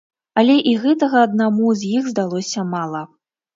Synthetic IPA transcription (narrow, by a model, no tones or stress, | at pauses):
ɐlʲɛʔiɣɛt̪ɐɣɐːd̪̚namuzʲjiɣzd̪alˠɔsʲɐmalˠɐ